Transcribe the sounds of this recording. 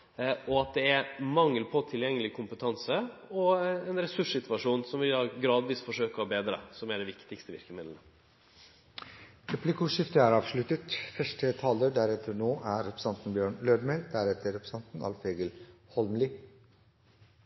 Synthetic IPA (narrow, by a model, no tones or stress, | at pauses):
ʔɔɑt̪̚d̪ɛæmɑŋːəlpʰɔt̪ʰɪljɛŋːəlɪkʰʊmpət̪ʰɑnsəɔɛnɾɛsʉʂsɪt̪ʋɑʂuːnsɔmʋɪld̪ɑːɡɾɑːd̪ʋiːsfɔʂøːkəɾɔbeːd̪ɾə̰sɔmæɖɛʋɪkt̪ɪkst̪əʋɪ̰ɾkəmɪd̪lənə | ɾɛpʰlɪkʊʂɪft̪əæːɾɑːʋʂlʉt̪ət̪fœʂʈət̪ʰɑːləɖæɾɛt̪ʰːəɾɳoːʔæɾɛpɾəsɑnt̪n̩bjøːɳløːɖ̪mɛld̪æɾɛt̪ʰəɾɛpɾəsɑnt̪n̩ɑ̰lfeːɡəlhɔlmlɪ